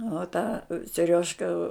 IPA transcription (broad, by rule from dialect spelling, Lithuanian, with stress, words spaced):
oː ˈtɑː sʲɛˈrʲoːʃkɐ